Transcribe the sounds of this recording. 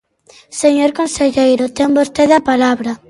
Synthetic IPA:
seɲoɾkonseʎejɾʊt̪embost̪eðapalaβɾɐ

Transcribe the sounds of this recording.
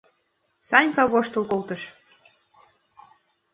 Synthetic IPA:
sɑnʲkɑβoʃt̪ɤ̆lkolt̪ɤ̆ʃ

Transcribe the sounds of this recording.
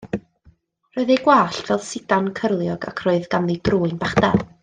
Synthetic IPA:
roːɨðeɡwaːɬtvɛlˠsɪdankʰərlˠjɔɡa̰kʰroːɨðɡanlˠidruːɨnbaχdalˠ

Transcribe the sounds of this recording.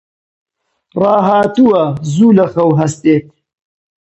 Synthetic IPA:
rɑːɦaːt̪uwɐzuːlɐxɐwɦɐst̪eːt̪̚

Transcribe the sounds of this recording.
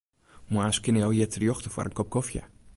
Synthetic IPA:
muaskɪnəjɔjɛtʰrjoxtəfwɔ̰ɾənkɔp̚kɔfjə̰

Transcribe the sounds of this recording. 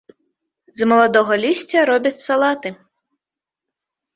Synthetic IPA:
zmɔlˠɐd̪ɔɦɔlʲisʲt͡sʲɐɾɔbʲɐtʲsɐlˠɑt̪ɪ

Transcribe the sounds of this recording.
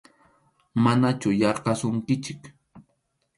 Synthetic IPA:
manat͡ʃʊjɑɾqɑsʊŋkɪt͡ʃɪk

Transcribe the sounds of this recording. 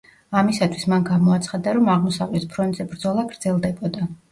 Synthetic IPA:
amisat̪ʰwismanɡamɔat̪sʰχad̪aɾɔmaʁmɔsavlɛt̪pʰɾɔnt̪z̥ɛbɾd̪zɔlˠaɡɾd̪zɛlˠd̪ɛbɔd̪a

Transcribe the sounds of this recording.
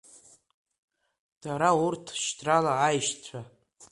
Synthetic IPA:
d̥aɾaurtʰʃtʰralaːjʃt͡ɕʷʰa

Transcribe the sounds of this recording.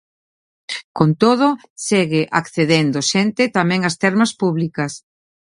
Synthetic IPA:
kont̪oð̞ʊ | seɣɪʔakθeðend̪oʃent̪ɪt̪amɛ̃ŋast̪ɛɾmɐspuβlikɐs

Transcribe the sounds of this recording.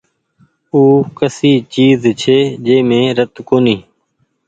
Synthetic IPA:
uːkəsiːt͡ʃiːzt͡ʃʰeːd͡ʒeːmẽːɾət̪koːniː

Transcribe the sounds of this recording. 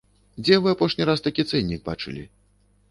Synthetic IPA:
d͡zʲɛvɨapɔʂnʲiɾast̪akʲit̪sɛnʲːiɡ̚ba̰t͡ʂɨ̰lʲḭ

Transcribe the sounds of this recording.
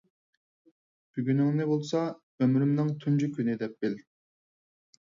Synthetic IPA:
b̥yɡʲynɪŋnɪbolˠsɑ | ømɾymnɪŋt̪ʰund͡ʒykʲʰynɪd̪ɛp̚b̥ɪl

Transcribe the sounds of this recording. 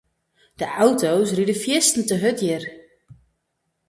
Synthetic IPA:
d̥əʔawtowsridəfjɪstn̩təɦøtjɪr

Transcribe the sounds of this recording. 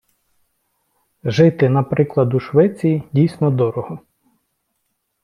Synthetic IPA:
ʒɪt̪ɪnɐpɾɪklˠɐd̪uʃʋɛt͡sʲijidʲijsʲnɔd̪ɔɾɔhɔ

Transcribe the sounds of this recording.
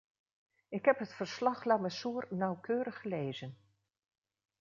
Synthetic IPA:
ɪkɦɛpɦətfərslɑχlaməsuːrnawkʰøːɾəχəleːzən

